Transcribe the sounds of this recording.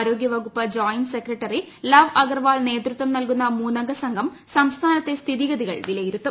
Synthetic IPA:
ɾo̞ːɡjɐʋɐɣupːɐd͡ʑaːjnsekrɐʈːɐri | lɐʋɐɡɐrʋaːɭne̞ːt̪rut̪ʋɐmnɐlkunːɐmuːnɐŋɡɐsɐŋɡʱɐm | sɐmst̪ʰaːnɐt̪ːe̞st̪ʰiðiɡɐðiɣɐ̰ɭʋilɐjiɾut̪ːɐ

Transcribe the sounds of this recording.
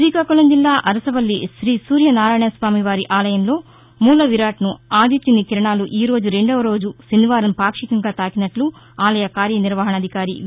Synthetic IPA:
ɾiːkaːkulɐmd͡ʒilːaːʔɐɾɐsɐʋɐlːiʃɾiːsuːɾjɐnaːɾaːjɳɐsʋaːmiʋaːɾiʔaːlɐjɐmlo̞ː | muːlɐʋiɾaːʈnuaːd̪ʱit̪junikiɾɐɳaːluʔiːɾo̞ːd͡ʒuɾe̞ɳɖɐʋɐɾo̞ːd͡ʒusinːiʋaːɾɐmpaːkʂikɐŋɡaːt̪aːkinɐʈlu | aːlɐjɐkaːɾjɐniɾʋɐɦɐɳɐd̪ʱikaːɾḭ

